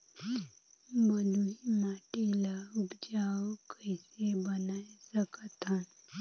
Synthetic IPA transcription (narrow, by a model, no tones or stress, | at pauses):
bəluimaːʈelaɡd͡ʒaːwkəɪsebənaesəkət̪an